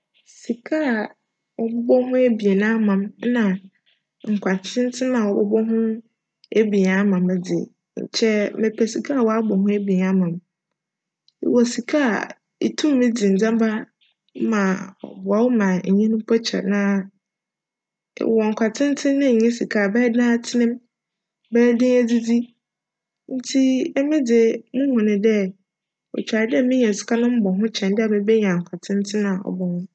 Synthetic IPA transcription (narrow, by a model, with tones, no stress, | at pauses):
si˨kʰa˦˨ | wɔ˨bɔ˦bɔ˦hʊ̃˦e˦bi˨e˨nã˦mã˨m˦nã˨ | ŋ̩˨kʷʰa˨tʰɪ̃˦n̩˦tʰɪ̃˦mã˨wɔ˨bɔ̰˦bɔ˦ɦʊ̃˦ | e˦bi˨a˦mã˨mɛ˨dɪ̰˨ | ɲ̩̰˨t͡ɕʰɛ˦mɪ̃˨pʰɛ˨si˨kʰa˦a˨wa˦bɔ˨ɦʊ̃˦e˦bi˨a˦mã˨m˨ | wɔ˨si˨kʰa˦a̰˨ | ḭ˨tʰũ˦m˦mɪ̃˦d͡zi˨n̩˨d͡zã˦m˦ba˦ | mã˨ɔ̰˨ba˨˦wmã˨ɲ̩˨ɲĩ˦nʊ̃˦pʰɔ˦t͡ɕʰɛ̰˨nã˨˦˨ | wɔ˨ŋ̩˨kʷʰa˨tʰɪ̃˦n˦tʰɪ̃˦nːʊ̃˦˨ɲɛ̃˦si˨kʰa˦˨bɛː˦dãː˦tʰɪ˦nɪ̃˦m | bɛː˦dɪ̃˦ŋæ˦d͡zi˦d͡zi˦ | n̩˦tʰi˦ɛ˦mɪ̃˦d͡zɪ˨mũ˦hʊ̃˨nɪ̃˨dɛ˦ | ɔ̰˨t͡ɕᶣa˨ɾdɛ˦˨mɪ̃˦ɲɛ̃˨sʊ̥˦kʰa˦nʊ̃˦m̩˦bɔ˨ɦʊ̃˦t͡ɕʰɛ̃˨ndɪ˦a˨mɪ̃˦be˦ɲ˨ã˨ŋ̩˨kʷʰa˨tʰɪ̃˦n˦tʰɪ̃˦nã˨a˨ɔ̰˨bɔ˨hʊ̃˦